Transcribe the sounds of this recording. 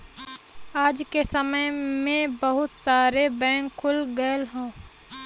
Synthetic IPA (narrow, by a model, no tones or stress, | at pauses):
aːd͡ʒkesəməjmẽbɐɦʊt̪saːɾebɛ̃ːŋkʰːʊlɡəelɦɛ̃ː